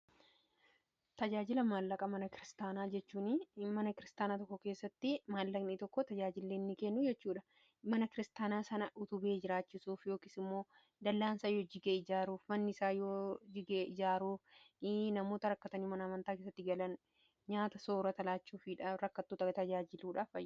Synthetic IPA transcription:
t̪ɐd͡ʒaːd͡ʒɪlɐmaːlːɐkʼɐmɐnɐkɪɾɪst̪aːnaːd͡ʒɛt͡ʃːuːnɪmɐnɐkɪɾɪst̪aːnaːt̪ɔkːɔkeːsːɐt̪ːɪmaːlːɐɡniːt̪ɔkːɔt̪ɐd͡ʒaːd͡ʒɪlːeːnːɪkenːʊd͡ʒɛt͡ʃːuːᶑɐ | mɐnɐkɪɾɪst̪aːnaːsɐnɐʔʊt̪ʊbe̞ːd͡ʒɪɾaːt͡ʃːɪsuːfjo̞ːkɪsɪmːo̞ː | d̪ɐlːaːnsaːjoːd͡ʒɪɡeːɪd͡ʒaːɾuːfmɐnːɪɪsaːjoːd͡ʒɪɡeːʔɪd͡ʒaːɾuːfnɐmo̞ːt̪ɐɾɐkːɐt̪ɐniːmɐnɐːmɐnt̪aːkeːsːɐt̪ːɪɡɐlɐn | ɲaːt̪ɐso̞ːɾɐt̪ɐlaːt͡ʃːuːfiᶑɐɾɐkːɐt̪ːuːt̪ɐɡɐt̪ɐd͡ʒaːd͡ʒɪluːᶑaːfɐjː

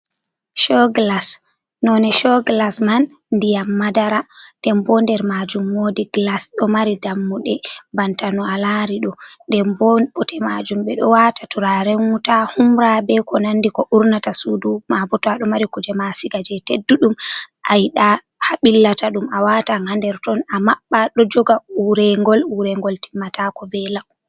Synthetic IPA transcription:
ʃɔɡlas | nɔnɛʃɔɡlasman | ndijamːadaɾadɛmbɔndɛɾmad͡ʒumːodiɡlasɗɔmaɾidamːuɗɛbantanɔalaɾiɗɔdɛmbɔɓɔtʰɛmad͡ʒumɓɛɗɔwatatuɾaɾɛŋutahumɾabɛkɔnandikɔʔuɾnatasudumabɔtaɗɔmaɾikud͡ʒɛmasiɡad͡ʒɛtedːuɗumʔajɗa | haɓilːataɗumawataŋandɛɾtɔnamaɓːaɗɔd͡ʒɔɡauɾɛŋɡɔluɾɛŋɡɔlti̥mːatakɔbɛla

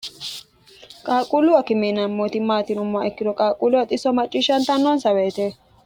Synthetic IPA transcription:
kʼaːkʼulʊwɐkɪmenɐmːoːt̪ɪmaːt̪ɪnʊmːaɛkːɪd̪ɔkʼaːkʼulʊwɐt̪ʼɪsɔmɐt͡ʃʼːiʃɐnt̪ɐnːɔnsɐweːt̪eː

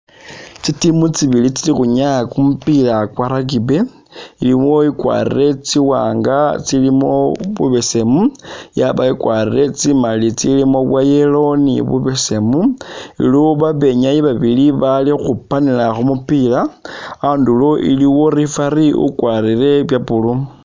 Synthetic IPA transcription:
t͡sitimut͡siβilit͡silixuɲakumupilakwaɾak̬ibe̞ | iliwo̞ikwa̰rḭre̞t͡siwa̰ːŋɡat͡silimoβṵβe̞se̞mujaβaikwarire̞t͡simalit͡silimo̞βwaje̞lo̞nḭβṵβese̞muḭluoβaβe̞ɲajiβaβiliβalixupanilaxumupilaandulo̞ʔḭliwo̞ɾifaɾiṵkwarire̞βjapulu

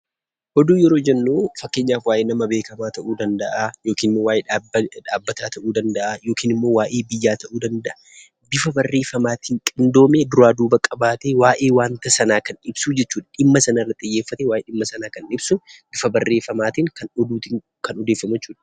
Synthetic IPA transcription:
ʔɔd̪uːjɛɾo̞ːd͡ʒɛnːoːfɐkːe̞ːɲːaːfwaːʔeːnɐmɐbe̞ːkɐmaːt̪ɐʔuːd̪ɐnd̪ɐʔajo̞ːkiːnɪmːoːwaːjeᶑaːbːɐt̪aːt̪ʰɐʔuːd̪ɐnd̪ɐʔajo̞ːkiːnɪmːo̞ːwaːʔe̞ːbɪjːaːt̪ɐʔuːd̪ɐnd̪ɐʔɐ̥ | bɪfɐbɐrːe̞ːfɐmaːt̪iːŋkʼɪnd̪o̞ːmeːd̪ʊɾaːd̪uːbɐkʼːɐbaːt̪eːwaːʔe̞ːwaːnt̪ɐsɐnaːkɐnɪbsuːd͡ʒɛt͡ʃːuːᶑɐᶑɪmːɐsɐnɐrːɐt̪ʼɪjːeːfːɐt̪ewaːjeːɗɪmːɐsɐnaːkɐnɪbsʊbɪfɐbɐrːe̞ːfɐmaːt̪iːŋkɐnɔd̪uːt̪i | kɐnɔd̪eːfːɐmɛt͡ʃːuːᶑɐ̥

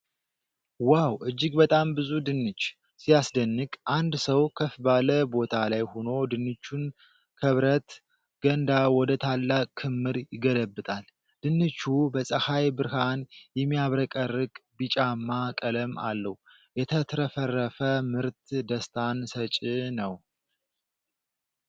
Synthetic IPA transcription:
wawʔɨd͡ʒːɪɡbət̪ʼambɨzud̪ɨnːɨt͡ʃː | sijasd̪ənːɨkʼʔand̪səwkʰəfbaləbo̞t̪ʰalajho̞no̞d̪ɨnːɨt͡ʃːun | kʰəβɾət̪ | ɡ̥ənd̪awɔd̪ət̪ʰalːakʰɨmːɨɾjɪɡələbɨt̪ʼal | d̪̥ɨnːɨt͡ʃːubəsʼəhajbɨɾhanjɛmːijaβɾəkʼərːɨkʼbɨt͡ʃʼamːakʼələma̰lːəh | jɛt̪ʰət̪ʰɾəfərːəfəmɨɾt̪d̪əst̪ʰansət͡ʃʼɪnəw

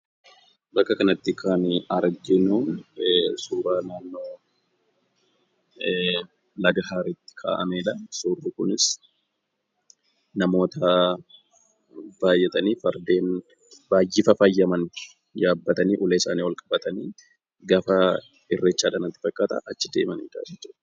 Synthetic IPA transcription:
bɐkːɐkɐnɐt̪ːɪkʰaːnɐɾɡɪnʊ | suːɾaːnaːnːoː | lɐɡɐɦaːɾɪt̪ːɪ̥kʰa̰ːʔɐmeːᶑɐsurːukʊnɪs | nɐmo̞ːt̪ɐ | b̥aːjːɛt̪ʼɐniːfɐɾd̪eːn | baːjːɪfɐfɐjːɐmɐn | jaːbːɐt̪ɐniːʔʊleɪsaːniːwɐlkʼɐbɐt̪ɐniː | ɡɐfɐ | ɪrːɛt͡ʃːaːᶑaːnɐt̪ːɪ̥fɐkʼːaːt̪ɐ̰ʔɐt͡ʃːɪd̪e̞ːmɐnɪt̪a̰ːd͡ʒɛt͡ʃːʊᶑɐ

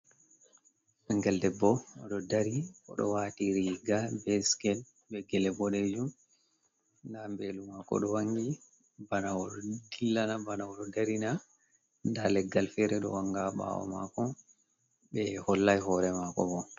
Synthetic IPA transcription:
ɛŋɡɛldɛbːɔɔɗɔdaɾiɔ̰ɗɔ̰watiɾiɡabɛskɛl | bɛɡɛlɛbɔɗɛd͡ʒum | ndambɛlumakɔ̰ɗɔwaŋɡi | banawɔɗɔdilːanabanawɔɗɔdaɾina | ndalɛɡːalfɛɾɛɗɔwaŋɡaɓa̰wɔ̰ma̰kɔ | ɓɛhɔlːajɦɔɾɛmakɔbɔ

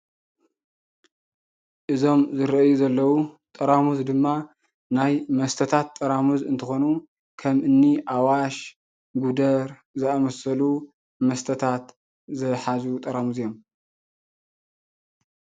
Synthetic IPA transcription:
ʔɨzo̞mzɨɾɐʔjuzɐlːɐwut̪ʼɐɾamuzd̪ɨmːa | najmɐst̪ʰɐt̪ʰat̪ʼːɐɾamuzɨnt̪ʰɨxo̞nu | kʰɐmʔɨnːiʔawaʃ | ɡud̪ɐɾ | zɨamɐsɐlu | mɐst̪ʰɐt̪ʰat̪ | zɨħazut̪ʼɐɾamuzjom

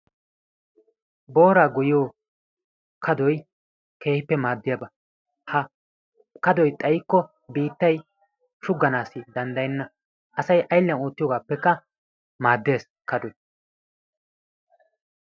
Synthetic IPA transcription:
bo̞ːɾaːɡʊjɪjoː | kʰɐd̪ɔj | ke̞ːhɪpːɛmaːd̪ːɪjabɐ | hɐ | kɐd̪ɔjt̪ʼɐjɪkːɔ | biːt̪ːɐj | ʃʊɡːɐnaːsːɪd̪ɐnd̪ɐjɪnːɐ | ʔɐsɐjʔɐjɪlːɐnoːt̪ːɪjɔɡaːpːɛkːɐ | maːd̪ːe̞ːs | kɐd̪ɔj

